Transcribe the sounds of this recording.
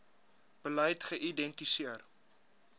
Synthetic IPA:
b̥əlɛjtχəʔidɛntisiər

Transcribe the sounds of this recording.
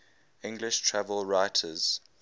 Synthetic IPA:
ɪ̃ŋɡlɪʃtʰɹ̥ævəlˠɹaɪtʰəz̥

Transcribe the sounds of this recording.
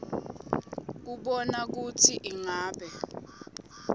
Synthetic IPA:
k̬uɓɔnak̬utʰiʔiŋaːɓɛ

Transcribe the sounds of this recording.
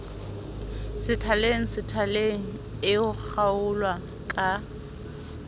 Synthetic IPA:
sɪtʰaleŋ̩sɪtʰaleŋ̩ | ɪʊk͡xʰaʊlwa | kʼa

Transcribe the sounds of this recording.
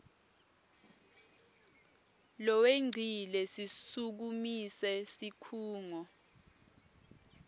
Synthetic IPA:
lɔweŋ͡ǀʱilɛsisuk̬umisɛsikʰuːŋɔ

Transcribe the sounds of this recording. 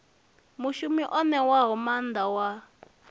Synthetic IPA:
muʃumiʔɔnɛwaɦɔmand̪awa

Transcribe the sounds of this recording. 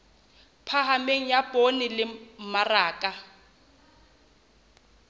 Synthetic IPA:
pʰaɦameŋ̩jabʼonɪlɪmaraːkʼa

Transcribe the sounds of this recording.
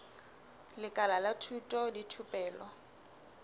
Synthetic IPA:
lɪkʼalalatʰutʼɔditʰupʼɛːlɔ

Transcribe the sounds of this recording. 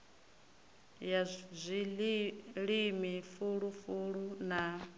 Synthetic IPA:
jazʷi | ɺimifuɺufuɺuna

